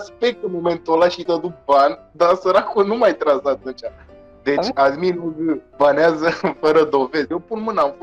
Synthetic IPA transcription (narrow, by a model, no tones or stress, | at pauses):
spek̚t̪unmoment̪olaʃit̪ad̪ut̪̚banʲ | d̪asəɾakunumajt̪ɾasat̪unt͡ʃa | d̪e̞t͡ʃʲad̪minuɡɨbaneazəfəɾəd̪o̞ve̞zjewpunmɨnaɱfo